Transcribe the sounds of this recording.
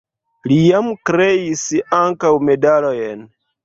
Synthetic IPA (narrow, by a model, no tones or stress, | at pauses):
lijamkɾe̞isaŋkawme̞dalojen